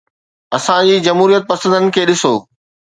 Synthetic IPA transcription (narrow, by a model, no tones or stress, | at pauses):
ɐsãd͡ʑiːd͡ʑɐmɦuːɾijət̪̚pɐsə̃nd̪ənɪ̆kʰeːɗɪsoː